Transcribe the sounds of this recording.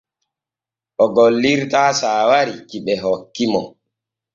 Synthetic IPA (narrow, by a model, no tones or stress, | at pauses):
ʔɔɡɔlːiɾtaːsaːwaɾikiɓɛɦɔkːimɔ